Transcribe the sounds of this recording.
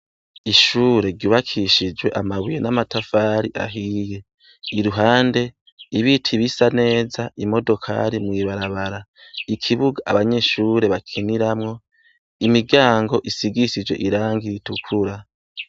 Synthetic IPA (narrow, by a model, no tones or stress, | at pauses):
iʃuːɾe̞ɾɟuːβakʰiʃid͡ʒwe̞ʔamaβujenamatafaːɾiʔa̰ɦiːje̞ | iɾuɦaːnde̞ | iβitʰiβisane̞ːzaʔimo̞do̞kʰa̰ɾimŋiːβaɾaβaɾaikʰiβuɡaʔaβaɲe̞ʃuːɾe̞βakʰiniɾamŋo̞ | imiɡɟaːŋɡo̞ʔisiɡisid͡ʒwe̞̰ʔiɾaːŋɡiɾitukʰuɾa